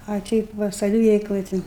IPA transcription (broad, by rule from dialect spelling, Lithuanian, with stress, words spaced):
ɐ ˈtʲɛɪp ʋɐ sɐˈʋʲɪʋʲɛɪklˠoːj ˈtʲɪ